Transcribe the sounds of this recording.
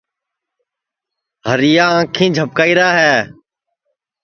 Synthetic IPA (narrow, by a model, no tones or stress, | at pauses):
ɦəɾɪjãːãːkʰĩːd͡ʒʱəp̚kaːiːɾaːɦɛː